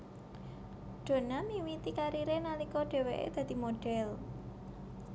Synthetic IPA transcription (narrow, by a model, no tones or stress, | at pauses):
ɖ̥o̤namiwit̪ikaɾiɾenalikɔɖ̥ɛ̤weʔḛd̪̥ä̤d̪̥i̤moɖ̥ɛl